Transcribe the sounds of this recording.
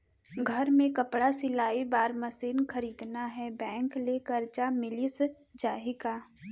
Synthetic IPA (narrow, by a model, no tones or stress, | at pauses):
ɡʱɐɾmẽkɐpɽasɪlaːibaːɾmɐsiːnxɐɾiːd̪naɦɛbɛ̃ːŋkleːkəɾt͡ʃamɪlis | d͡ʒaːɦɪkaː